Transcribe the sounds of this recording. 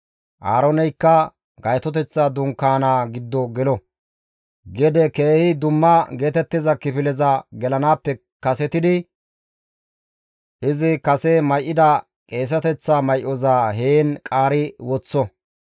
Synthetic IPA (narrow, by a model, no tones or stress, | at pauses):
ʔa̰ːɾɔnɛjkːɐ | ɡɐjt̪ɔt̪ɛt͡sːad̪ʊŋkaːnaːɡɪd̪ːɔɡɛlɔ | ɡɛd̪ɛke̞ːhɪd̪ʊmːɐɡe̞ːt̪ɛt̪ːɪzɐkɪpɪlɛzɐɡɛlɐnaːpːɛ | kɐsɛt̪ɪd̪ɪ | ʔɪzɪkɐsɛmɐjʔːɪd̪ɐ | kʼe̞ːs̬ɐt̪ɛt͡sːamɐjʔɔzaːɦeːnkʼaːɾɪwɔt͡sːɔ